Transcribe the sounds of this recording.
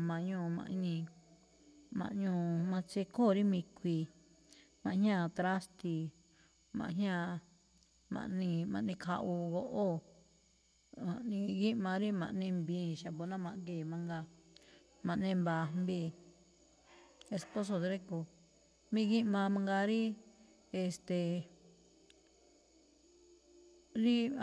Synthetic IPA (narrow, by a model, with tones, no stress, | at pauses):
mã˧ʔɲũː˧˨mã̰˧ʔi˧nĩ˧ | mã̰˧ʔɲũː˧˨mã˧t͡ʃe˧ko˦˨ɾi˦mĩ˧kʷi˧ | mã˨ʔhɲ˦ã˦˧˨t̪ɾa˦st̪i˧ | mã̰˧ʔɦɲã˦˧ | mã̰˨ʔnĩ˧mã̰˧ʔnĩ˧kʰa˧ʔu˧ɣo˧ʔo˦ | ã˨nĩ˧ɣi˦mã˧ɾi˦mã̰˨ʔnĩ˧mbĩ˧ʃa˨bo˧nã˦mã˧ʔɡeː˧˨mã˧ŋɡa˧ | mã˨ʔnẽ˧mba˨mbi˧ | e˧spo˦s̬o˧˨d̪ɾe˦ko˧ | mĩ˧ɣi˦mã˧mã˧ŋɡa˧ɾi˦ | e˧st̪e˧˨ | ɾi˦